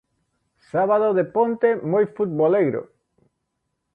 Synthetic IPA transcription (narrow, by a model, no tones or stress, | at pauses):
saβaðoðepont̪emojfut̪̚boleɣɾo̰